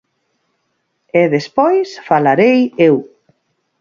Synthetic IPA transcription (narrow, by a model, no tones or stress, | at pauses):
eðespɔjsfalaɾejew